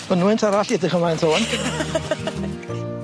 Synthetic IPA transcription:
ənwɪntʰaɾaɬjɛdɪχəmlˠajntʰoːn

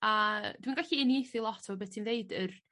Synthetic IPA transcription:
ad̥winɡaɬiɪniejθɪlˠɔtʰavɔbɛ̥ːtʰinðeɨdər

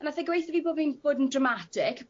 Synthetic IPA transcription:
naθɛɡwejθəviːboːbinb̥oːdn̩drəmatʰɪkʰ

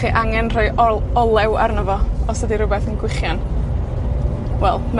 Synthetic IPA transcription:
χiʔaŋɛnr̥ojɔlˠɛwa̰rnəvɔɔsədiɾʊbɛθənɡwɪχjan | wɛlˠm

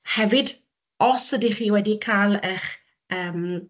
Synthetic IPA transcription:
hɛvɨd | ɔsədiχiːwɛdikʰaːlˠəχ | əːm

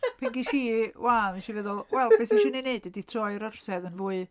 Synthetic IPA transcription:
pʰɛŋɡiʃiːwavɛnʃivɛðɔlˠwʔɛlˠb̥ɛsiʃinineɨdɛditʰrɔɨɾər̥sɛðənvuːɨ

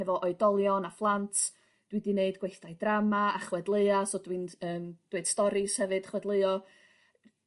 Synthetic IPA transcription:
ɛvɔʔɔɨdɔlˠjɔnaflˠantʰ | d̥widineɨdɡwejθd̥ajdramaaχwɛdlˠəɨasoːdwinəːmd̥wed̥stɔɾishɛvɨd̥χwɛdlˠəɨɔ

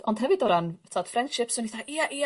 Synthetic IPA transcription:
ɔnd̥hɦɛvɨdɔɾantʰad̥frɛnd̥ʃɪpsənhiθaʔiaʔi

